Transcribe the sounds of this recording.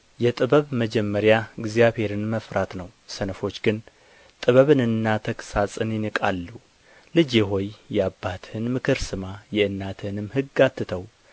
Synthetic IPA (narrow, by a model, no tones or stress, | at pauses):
jɛt̪ʼɨβəβməd͡ʒɛmːəɾjaɨɡzijaβhe̞ɾɨnməfɾat̪nəw | sənəfo̞t͡ʃːɡɨn | t̪ʼɨβəβɨnɨnːat̪ʰəksasʼɨnjɪnɨkʼalːu | lɨd͡ʒɛɦo̞jjɛabːat̪ʰhɨnmɨkʰɨɾsɨmajɛɨnːat̪ʰɨhnɨmhɨɡːat̪ʰːɨt̪ʰəw